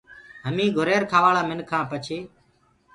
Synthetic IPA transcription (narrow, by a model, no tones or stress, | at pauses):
ɦəmĩːɡʱʊɾeːɾkʰaːʋaːɭaːmɪnkʰãːpət͡ʃʰeː